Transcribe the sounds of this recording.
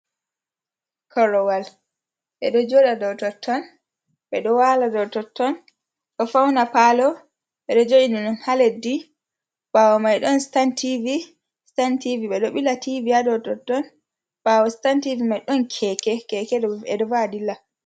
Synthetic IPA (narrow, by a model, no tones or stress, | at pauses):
kʰɔɾɔwal | ɓɛ̰ɗɔd͡ʒoɗadɔwtɔtʰːɔn | ɓɛɗɔwaladɔwtɔtːɔn | ɗɔfawnapalɔ | ɓɛɗɔd͡ʒoʔinɔnɔnhaledi | bawɔmajɗɔnstantivi | stantiviɓɛɗɔɓilativiadɔtɔtːɔn | b̥awɔstantivimajɗɔnkʰɛkɛkɛkɛɗɔɛɗɔvadila